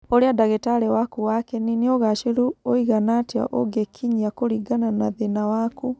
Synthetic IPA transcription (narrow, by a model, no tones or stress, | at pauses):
oɾeadaɣɛtaɾɛwakuwakɛnineoɣaʃeɾuoiɣanatia̰ʔoɡekʰiɲiakoɾiɡananaðenawaku